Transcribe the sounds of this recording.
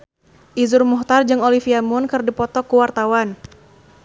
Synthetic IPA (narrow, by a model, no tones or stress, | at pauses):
ʔizʊrmuht̪ard͡ʒɨŋolifiamʊnkɨrdipɔt̪ɔkuwart̪awan